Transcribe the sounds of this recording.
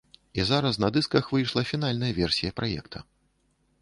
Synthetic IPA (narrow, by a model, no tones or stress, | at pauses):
izaɾɐsnɐd̪ɨskɐxvɨjʂlˠɐfʲin̪alʲnɐjɐvʲɛrsʲijɐpɾajɛ̰kt̪ʰɐ